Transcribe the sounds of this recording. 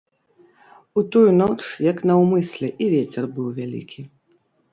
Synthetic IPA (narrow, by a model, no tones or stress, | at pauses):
ut̪ujunɔt͡ʂjɐknɐwmɨsʲlʲɛʔivʲet͡sʲɛrbɨwvʲalʲḭkʲʰi